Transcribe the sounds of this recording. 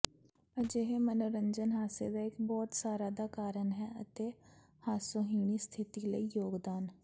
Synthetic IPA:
əd͡ʒeɦemənoɾə̃ɲd͡ʒənɦaːsed̪aɪkbɔːt̪saːɾad̪akaːɾənɦɛʔɐt̪e | haːsoɦiːɽ̃ist̪ʰɪt̪iləijoːɡd̪aːn

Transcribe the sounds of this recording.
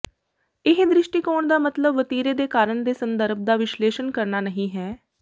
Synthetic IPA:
ɪɦd̪ɾɪʃʈiːkoːɳd̪aːmət̪ləbʋət̪iːɾeːd̪eːkaːɾəɳd̪eːsənd̪əɾb̚ʱd̪aːʋɪʃleːʃənkəɾnaːnəɦĩːɦɛː

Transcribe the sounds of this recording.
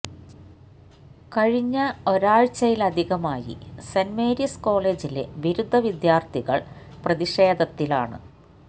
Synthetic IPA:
kɐɻiɲːɐo̞ɾaːɻt͡ɕːɐjilɐd̪ʱiɣɐmaːjḭsɐnmeːɾjɐsko̞ːɭe̞ːd͡ʑile̞̰ʋiɾud̪ʱːɐʋid̪jaːrt̪ʰiɣɐ̰ɭprɐðiʂeːd̪ɐt̪ːila̰ːɳɨ̰

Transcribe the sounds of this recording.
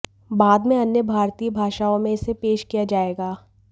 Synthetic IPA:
baːd̪mẽɐnjəbʱaːɾt̪iːbʱaːʃaːõmẽɪsepeːʃkijad͡ʒaːeːɡaː

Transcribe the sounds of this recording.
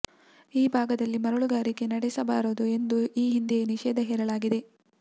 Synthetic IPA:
iːbʱaːɡɐd̪ɐlːimɐɾuɭuɡaːɾiɡenɐɽesɐbaːɾoːd̪ue̞nd̪uiːɦind̪eniʃɛːd̪ɐɦɛːɾɐɭaːɡid̪e̞

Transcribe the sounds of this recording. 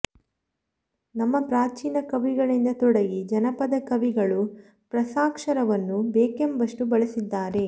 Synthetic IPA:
nɐmːɐpɾaːt͡ʃiːnɐkɐʋiɡɐɭind̪ɐt̪ɔɽɐɡid͡ʒɐnɐpɐd̪ɐkɐʋiɡɐɭu | pɾɐsaːkʂɐɾɐʋɐnːubeːkembɐʂʈubɐɭɐsid̪ːaːɾe̞

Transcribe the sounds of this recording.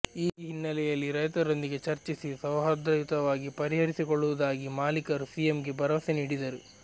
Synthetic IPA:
iːɦinːɐlɛjɐlːiɾɐjt̪ɐɾond̪iɡe̞t͡ʃɐɾt͡ʃisisɐʋɦɐd̪ɐit̪ɐʋaːɡipɐɾiɦɐɾisikɔɭːuʋɐd̪aːɡimaːlikɐɾusijemɡe̞bɐɾɐʋɐseniːɽid̪ɐɾu

